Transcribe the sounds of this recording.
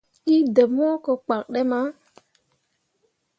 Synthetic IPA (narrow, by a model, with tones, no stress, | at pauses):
i˦də˨mɔ˦kɔ˨k͡pa˨k̚ɗɛ˦ma˦